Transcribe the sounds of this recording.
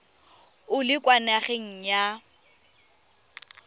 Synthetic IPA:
ʊlɪkʼwanaχeŋ̩ɲja

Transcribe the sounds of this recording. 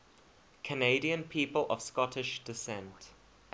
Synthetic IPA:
kʰəneɪdiə̃npʰiːpəlʔə̰v̥skɔtʰɪʃd̥ɪsɛ̃nt

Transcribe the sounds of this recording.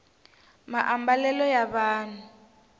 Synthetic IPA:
ma̰ʔambalɛlɔjaβaːn̤u

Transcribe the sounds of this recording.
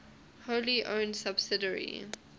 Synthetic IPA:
holiʔõ̰ʊnsabsɪdəɹḭ

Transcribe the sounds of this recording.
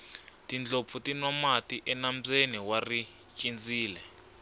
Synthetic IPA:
tind͡ɮop̪futinwamatiʔɛnam̩t͡seniwari | t͡ʃʼind͡ziːlɛ

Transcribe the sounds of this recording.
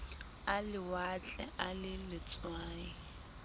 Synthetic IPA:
alɪwat͡ɬʼɛ̰ʔalɪlɪt͡sʼwaːi

